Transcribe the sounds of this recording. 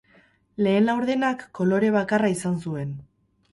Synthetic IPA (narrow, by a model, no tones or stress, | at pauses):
le̞ːnlawɾðe̞nakːo̞lo̞ɾe̞β̞akaraisansue̞n